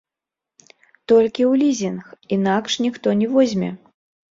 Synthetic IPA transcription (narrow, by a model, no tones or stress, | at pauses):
t̪ɔlʲkʲiwlʲizʲinxinakʂnʲixt̪ɔnʲɛvɔzʲmʲɛ̰